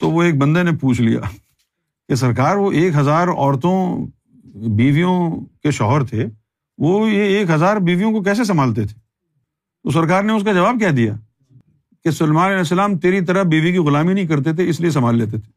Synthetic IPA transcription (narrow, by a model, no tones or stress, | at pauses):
t̪oʋoeːk̚bɐ̃nd̪enepuːt͡ʃʰlija̰ː | kes̬ɐɾkaːɾʋoʔeːkɦɐzaːɾɔ̰ːɾt̪õ | biːʋijõkeʃɔ̰ːɦəɾt̪ʰe | ʋojeːkɦɐzaːɾbiːʋijõkokɛːs̬es̬ɐmaːlt̪et̪ʰe̥ː | t̪os̬ɐɾkaːɾneʊskad͡ʒɐʋaːb̚kɛd̪ija̰ː | kesʊlmãːnɐlɛːs̬ːəlaːmt̪eːɾit̪̬ɐɾəbiːʋik̬iɣʊlaːminɐɦĩk̬ɐɾt̪̬et̪ʰeɪslies̬ɐmaːlːeːt̪̬et̪ʰe̥ː